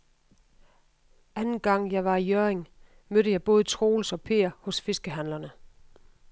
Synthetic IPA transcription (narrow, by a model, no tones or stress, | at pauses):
ʔænn̩ɡ̥ɑ̈ŋ̰jɑ̈ɪʋɑ̈ijøɐeŋ | møɾ̥əjɑ̈ɪb̥ɔ̽ːð̞ˠt͡sʰʁo̝ːlsɒ̽pʰe̝̰ːɐhɔ̽sfe̝sɡ̥əɦænlɐnə